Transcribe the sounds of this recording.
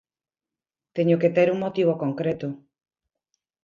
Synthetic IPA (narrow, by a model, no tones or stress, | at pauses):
t̪eɲoket̪eɾuŋmot̪iβokoŋkɾet̪ʊ